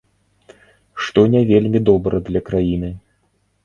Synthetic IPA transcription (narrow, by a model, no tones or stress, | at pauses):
ʂt̪ɔnʲɛvʲelʲmʲid̪ɔbɾɐd̪lʲɐkɾajinɨ